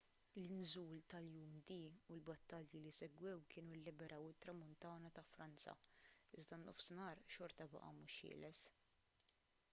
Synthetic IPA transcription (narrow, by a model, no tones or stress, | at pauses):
lɪnzuːlt̪ɐljuːmd̪iːulbɐt̪ːɐljilisɛɡwɛwkɪːnulːɪbɛɾʔɐwɪt̪ɾɐmʊnt̪ɐːnɐt̪ɐfɾɐnt͡sɐ̰ɪzd̪ɐnɔfsnɐːɾʃɔɾt̪ɐbɐ̰ʔɐ̰muːʃhɪ̰ːlɛs